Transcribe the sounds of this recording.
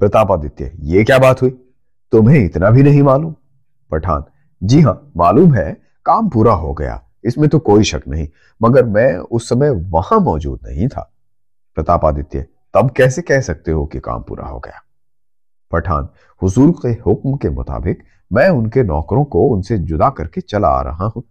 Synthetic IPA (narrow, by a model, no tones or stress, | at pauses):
pɾɐt̪aːpad̪ɪt̪ːiɦɛ̰jekjaːbaːt̪ɦui | t̪ʊmɦẽɪt̪nabʱinɐɦĩmaːluːm | pɐʈʰa̰ːn | d͡ʒiɦãːmaːluːmɦɛ | kaːmpuːɾaɦoɡɐja̰ː | ɪsmẽt̪okoːiʃɐknɐɦĩ | mɐɡəɾmɛ̃ːʊsːɐməjʋɐhãmɔːd͡ʒṵːd̪nɐ̰ɦĩt̪ʰa̰ː | pɾɐt̪aːpaːd̪ɪt̪ːiḛ | t̪ɐbkɛːsekɛːɦsɐk̚t̪eɦokika̰ːmpṵːɾa̰ɦo̰ɡɐ̰jaː | pɐʈʰa̰ːn | hʊzuːɾqehʊkmkemʊ̰t̪a̰ːbɪq | mɛ̃ːʊnkenɔ̰ːkɾõkoʊnsed͡ʒʊd̪akɐɾket͡ʃɐla̰ɾɐ̰ɦaɦũː